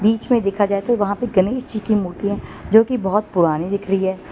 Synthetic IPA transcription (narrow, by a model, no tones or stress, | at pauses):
biːt͡ʃmẽd̪eːkʰad͡ʒaːet̪oʋɐɦãpeɡɐneːʃt͡ʃikimuːɾt̪iɦɛ̃ːd͡ʒoːkibɔɦɔt̪̚pʊɾaːnid̪ɪkʰɾɐɦiɦɛː